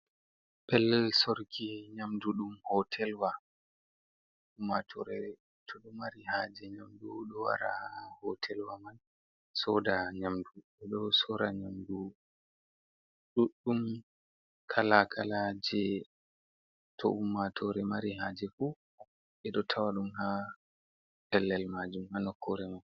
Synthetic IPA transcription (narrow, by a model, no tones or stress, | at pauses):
pɛlsɔɾkʰiɲamduɗumhɔtʰɛlwa | umːatʰɔɾɛ | tʰɔɗɔmaɾihad͡ʒɛɲamduɗɔwa̰ɾa̰hɔtʰɛlwaman | sɔdaɲamduɓɛɗɔsɔɾaɲamdu | ɗuɗːum | kʰalakʰalad͡ʒɛ | tʰɔ̰umːatʰɔɾɛmaɾiɦad͡ʒɛfu | ɓɛɗɔtʰawaɗumha | ɛlːɛlmad͡ʒumhanɔkʰːɔɾɛman